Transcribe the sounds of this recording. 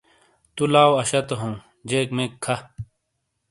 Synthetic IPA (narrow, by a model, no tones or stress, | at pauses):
t̪ulaːwɐɕɐt̪ɐɦõː | d͡ʑeːkmekʰːɐ